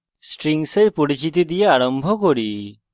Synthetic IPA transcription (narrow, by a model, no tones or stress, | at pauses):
sʈɾiŋsejpuɽit͡ʃit̪id̪ijeaɽɔmbʱɔkɔɽi